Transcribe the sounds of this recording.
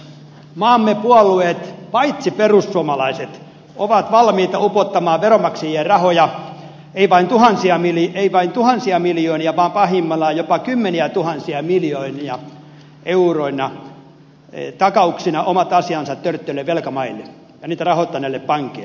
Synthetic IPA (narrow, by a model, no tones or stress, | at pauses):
mɑːmːepuɑlːuet̪pɑit̪siperussuɑmɑlɑiset̪ | oʋɑt̪ʋɑlmiːt̪ɑupot̪ːɑmɑːʋeromɑksejerɑhojɑ | eiʋɑint̪uhɑnsiɑmileiʋɑint̪uhɑnsiɑmiljoːniɑʋɑːmpɑhimːɑlːɑjopɑkymːeniæt̪uhɑnsiɑmiljoːniɑ | euroinɑ | t̪ɑkɑuksinɑʔomɑt̪ɑsiɑnsɑt̪tørt̪ːølːeʋʋelkæmɑilːe | jɑniːt̪ærɑhot̪ːɑnelːeppɑŋkeilː